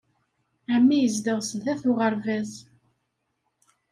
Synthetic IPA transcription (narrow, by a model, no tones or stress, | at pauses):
ʕəmːijəzd̪əʁsəθæθʊʁəɾvæz